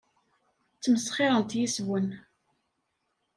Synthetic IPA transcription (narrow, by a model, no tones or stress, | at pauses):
t͡sːməsχɪɾˤənt̪jiswən